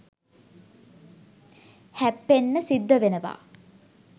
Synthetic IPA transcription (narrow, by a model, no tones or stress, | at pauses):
hæpːenːəsid̪ːəʋenəʋa̰ː